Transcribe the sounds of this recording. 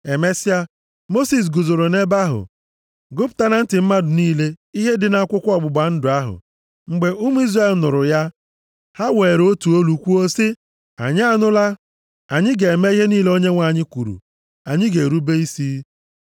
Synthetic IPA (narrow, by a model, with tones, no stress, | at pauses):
e˨me˦sja˦ | mo˦si˨s̬ɡʊ˨zʊ˨ɾʊ˨ne˦ba˦ɦʊ̰˨ | ɡʊ˦pta˦na˦n̩˦tɪ˨m̩˦ma˦dʊ˨niː˦le˦i˦ɦe˦dɪ˨na˦kʷʊ˦kʷɔ˦˨ɡ͡bʊ˨ɡ͡ba˨n̩˦dʊ˨a˦ɦʊ̰˨ | ŋ͡m̩˨ɡ͡be˨ʔu˦m˦i˦zra˦e˦˨lnʊ˨ɾʊ˨ja˦ | ha˦we˨ɾo˦tu˨o˦lu˨kʷu˦o˦sɪ˦ | a̰˨ɲɪ˦a˦nʊ˦la˦ | a˨ɲɪ˦ɡe˨me˦i˦ɦe˦niː˦le˦o˦ɲe˦ŋʷa˨ɲɪ˦kʷu˨ɾṵ˨ | a˨ɲɪ˦ɡe˨ɾu˦be˦i˦si˦